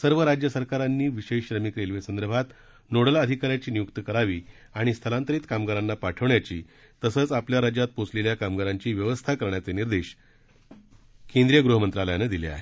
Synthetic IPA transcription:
səɾʋəɾad͡ʑjəsəɾkaɾanːiːʋiɕeɕɕɾəmikɾelʋesənd̪əɾəbʱat̪ | noɽələd̪ʱikaɾjat͡ɕiːnijuk̚t̪əkəɾaʋiː | aɽ̃ist̪ʰəlãnt̪əɾiːt̪kamɡəɾanːapaʈʰəʋɳjat͡ɕiː | t̪əsəːt͡sapljaɾad͡ʑjat̪̚pot͡sleljakamɡəɾaɲt͡ɕiːʋjəʋəst̪ʰakəɾɳjat͡seniɾd̪eɕ | kẽnd̪ɾijəɡɾuɦəmənt̪ɾaljaned̪ilḭa̰ɦe

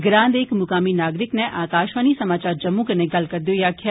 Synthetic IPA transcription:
ɡɾãːnd̪eːkmʊkaːminaːɡɾɪknɛʔaːkaːʃʋaːnisɐmaːt͡ʃaːɾd͡ʒɐmːũkɐnẽɡɐlkɐɾd̪jojaːkʰja

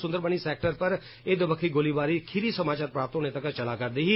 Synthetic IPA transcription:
sʊ̃nd̪əɾbəɳ̃iːsɛːk̚ʈəɾpəɾ | eːd̪obəkʰiːɡoliːbaːɾiːkʰɪɾiːsəmaːt͡ʃaːɾpɾaːpət̪ɦoːñeːt̪əkt͡ʃəlaːkəɾd̪iːɦiː

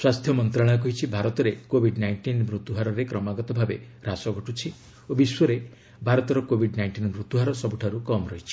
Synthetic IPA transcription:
swast̪ʰjɔmɔnt̪ɾaɽ̃ak̬ɔɦit͡ʃʰibʱaɾɔt̪ɔɾekobʱiɖnajɳʈinmɾut̪uɦaɾɔɾekɾɔmaɡɔt̪ɔbʱabe | ɾasɔɡʱɔʈut͡ʃʰi | obiswɔɾe | bʱaɾɔt̪ɔɾɔkobʱiɖnajɳʈinmɾut̪uɦaɾɔsɔbuʈʰaɾukɔmɔɾɔɦit͡ʃʰi̥

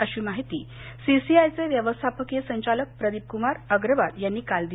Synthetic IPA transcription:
əɕiːmaɦit̪iː | sisiajt͡seʋjəʋəst̪ʰapʰəkjesəɲt͡ɕalək̚pɾəd̪ip̚kumaɾəɡɾəʋad̪janːiːkald̪i

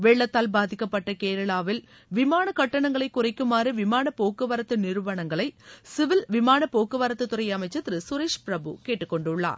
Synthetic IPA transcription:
ʋeːɭːɐt̪ːaːlbaːðɪkːɐpːɐʈːɐkeːɾɐɭaːʋɪl | ʋɪmaːnɐkɐʈːɐɳɐŋɡɐɭɐɪkːʊrɐɪkːɯmaːɾiʋɪmaːɳɐpoːkːɯʋɐɾɐt̪ːɯnɪɾɯʋɐɳɐŋɡɐɭɐɪsɪʋɪlʋɪmaːnɐpoːkɯʋaɾɐt̪ːɯt̪ːʊɾɐɪɐmɐɪt͡ʃːɐt̪ːɪɾɯsʊɾeːʂpɪɾɐbɯ̰keːʈːɯkːɔɳɖʊɭːa̰ːɾ

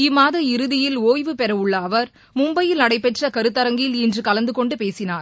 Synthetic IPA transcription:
ɪmːaːðɐɪɾɯðɪjɪloːjʋɯpɛɾɐɯɭːɐːʋɐɾ | mʊmbɐjɪlɐɽɐɪpːɛʈrɐkɐɾɯt̪ːɐɾɐŋɡɪlɪndrɯkɐlɐnd̪ɯkɔɳɖɯpeːsɪnaːɾ

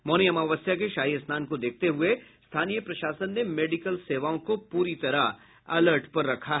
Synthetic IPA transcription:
mɔːnijəmaːʋəsjakeʃaːɦiəsnaːnkod̪eːk̚ʰt̪eɦʊest̪ʰaːnijəpɾɐʃaːsənːemeːɖɪkəlseːʋaːõkopuːɾit̪ɐɾa | ɐləɾʈpɐɾːɐkʰaɦ

